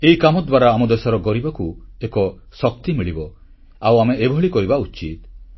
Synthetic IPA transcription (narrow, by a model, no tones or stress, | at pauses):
eikamɔd̪waɾaːmɔd̪esɔɾɔɡɔɾibakuekɔ | sɔk̚t̪imiɭibɔ | awameebʱɔɭikɔɾibaut͡ʃit̪